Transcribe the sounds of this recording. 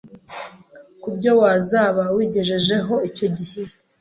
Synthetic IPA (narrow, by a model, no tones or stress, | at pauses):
kubɟo̞wazaːβawiːɟe̞ʒe̞ʒe̞ɦo̞ico̞ɟihe